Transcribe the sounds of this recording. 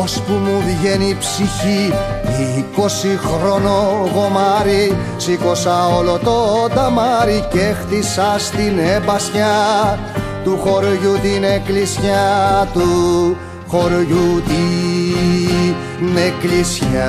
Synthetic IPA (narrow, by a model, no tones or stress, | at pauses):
ospumuðʝenipsiçiiko̞sixɾo̞noɣo̞mɐɾi | siko̞sɐolot̪ot̪ɐmɐɾicext̪isɐst̪inebɐsçɐ | t̪uxo̞ɾʝut̪ineklisçɐt̪u | xo̞ɾʝut̪i | neklisçɐ